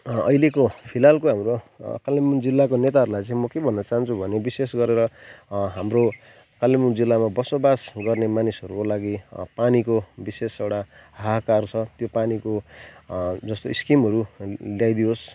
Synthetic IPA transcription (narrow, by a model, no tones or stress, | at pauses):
ʌ̰jlekopʰilalkoɦamrokalemund͡zilːakonet̪aɦʌɾulajt͡sãĩmʌkebʱʌnːʌt͡saɦʌnt͡sʰubʱʌnebisesɡʌɾeɾʌɦamro | kaljemund͡zilːamabʌsobasɡʌrnemanisɦʌɾukolaɡipanikobisesewʈaɦakart͡sʰʌt̪jopaniko | d͡zʌst̪oiskimɦʌɾuljajd̪ios